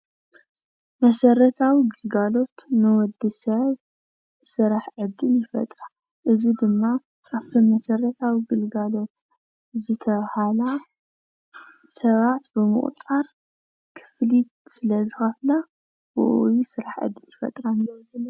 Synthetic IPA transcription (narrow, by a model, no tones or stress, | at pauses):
mɐsɐrɐt̪ʰawiɡɨlɡalo̞t̪nɨwɔd̪ːisɐβ | sɨɾaħʕɨd̪ːɨljɪfɐ̰t̪ʼɾa | ʔɨzid̪ɨmːa | kaft̪ʰonmɐsɐrɐt̪ʰawiɡɨlɡalo̞t̪ | zɨt̪ʰɐβhala | sɐβat̪bɨmɨ̰χʼt͡sʼaɾ | kʰɨ̥flit̪sɨlɐzɨxɐfla | wṵʔjisɨɾaħʕɨ̰d̪ːɨljɪfɐ̰t̪ʼɾanɐzɐlː